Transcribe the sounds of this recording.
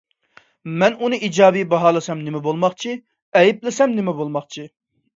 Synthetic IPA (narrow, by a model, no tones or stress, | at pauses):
mɛnunɨʔid͡ʒɑːbijbɑɦɑːlˠɨsɛmnɪmɛbolˠmɑχt͡ʃʰi | ɛjiplɪsɛmnɪmɛbolˠmɑχt͡ʃʰi